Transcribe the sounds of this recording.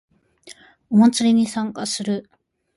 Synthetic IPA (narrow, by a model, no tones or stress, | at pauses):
o̞mat͡sɨɾʲiɲ̟isãŋkasɨɾɯ̟